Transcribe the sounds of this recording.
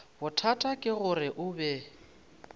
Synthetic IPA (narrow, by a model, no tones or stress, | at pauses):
bʊtʰatʼakʼɪɣʊrɪʔʊbɛ